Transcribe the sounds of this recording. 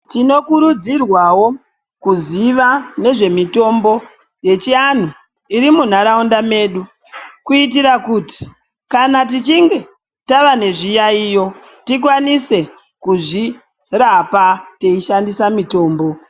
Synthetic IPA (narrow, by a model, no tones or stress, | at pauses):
tino̞kuɾud͡zirwawo̞ | kuziʋane̞ʐe̞mito̞mbo̞ | je̞t͡ʃian̤u | iɾimun̤aɾaundame̞ːɗu | kuit̬iɾakuti̥ | kanat̬it͡ʃiŋɡe̞ | taʋane̞ʐijaiːjo̞tik̬wanise̞ | kuʐi | rapate̞iʃandisamito̞ːmbo̞